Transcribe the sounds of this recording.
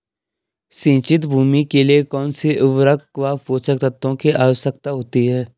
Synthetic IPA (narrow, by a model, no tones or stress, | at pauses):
sĩːt͡ʃɪt̪̬bʱuːmikeliekɔːnseʔʊʋɾəkʋaːfoːt͡ʃək̚t̪ət̪õkeʔaːʋəsək̚t̪aɦoːt̪iɦɛː